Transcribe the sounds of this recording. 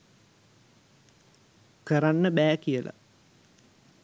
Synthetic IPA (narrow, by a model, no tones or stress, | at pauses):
kəɾanːəbæːkijəla̰